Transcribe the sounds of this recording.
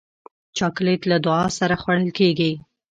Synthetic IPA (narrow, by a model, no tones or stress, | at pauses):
t͡ʃɑklet̪lad̪ʊɑsaɾaxwaɽəlkeɡi